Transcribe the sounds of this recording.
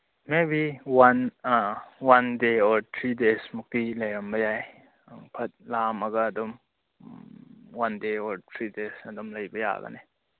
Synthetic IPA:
mebiwan | wandeɔɾtʰɾidesmuk̚tilɐjɾɐmbɐjaj | aŋpʰɐt̚lamɐɡɐːdɔm | wandeɔɾtʰɾidesɐdɔmlɐjbɐja̰ɡɐ̰ne

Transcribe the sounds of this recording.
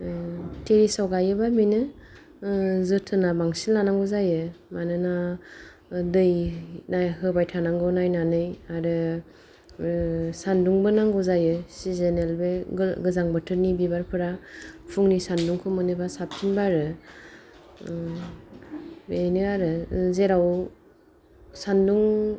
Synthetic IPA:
tʰeɾisawɡajɯbaminɯ | zɯtʰɯnabaŋsilnanaŋɡuzajɯmanɯna | dɯjnajhɯbajtʰanaŋɡɯwnajnanɯjaɾɯ | sanduŋbɯnaŋɡɔzajɯsizenelbeɡɯzaŋbɯtʰɯɾnibibaɾpʰɯɾapʰuŋnisanduŋkʰɔmɯnɯbasap̚tʰinbaɾɯ | benɯaɾɯzeɾaw | sanduŋ

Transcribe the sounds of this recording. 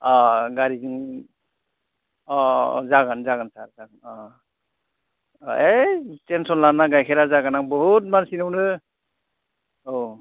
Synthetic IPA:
ɔɡaɾizɯŋ | ɔ̰zaɡanzaɡansaɾzaɡɔ | etensɔnlanaɡajkʰɛɾazaɡanaŋbɔɦut̚mansinɯwnɯ | ow

